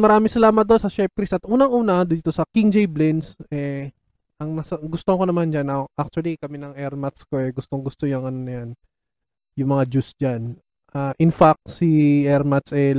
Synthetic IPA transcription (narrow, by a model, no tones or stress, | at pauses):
mɐɾaːmɪŋsɐlaːmɐt̪̚d̪o̞nsɐʃɛp̚kɾist̪ɐt̪ʔuːnɐŋʔuːnɐd̪iːt̪o̞sɐkiŋd͡ʒɛjblɪnsɛ | ʔɐŋnɐsɐɡʊst̪oɐko̞nɐmand͡ʒanɐʔak̚t͡ʃuɐlikɐminɐŋɛɹmɐt̪sko̞ʔɛɡʊst̪o̞ŋɡʊst̪oɲoŋɐnonɐjan | jʊŋmɐŋad͡ʒusd͡ʒan | ʔaʔɪnfak̚t̪siʔɛɹmɐt̪sɛ